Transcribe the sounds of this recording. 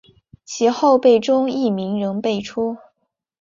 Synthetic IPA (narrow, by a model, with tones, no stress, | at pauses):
t͡ɕʰi˧˥xo˥˧ʊpe˥˩ɪʈ͡ʂʊ˥ŋi˥˩mi˧˥ŋɻɤ˧˥ŋpe˥˩ɪʈ͡ʂʰu˥